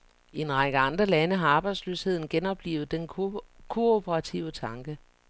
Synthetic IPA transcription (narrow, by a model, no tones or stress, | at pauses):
ie̝nʁɑɡ̥əɑ̈nd̥ʁɐlænəɦɑ̈ɑ̈ːb̥ɑ̈ɪd̥slø̰she̝ð̞̰ˠn̩ɡ̥enɒ̽b̥lḭːʊð̩ˠd̥enkʰo̝opʰəʁɑ̈t͡sʰḭʊət͡sʰɑ̈ŋɡ̥ə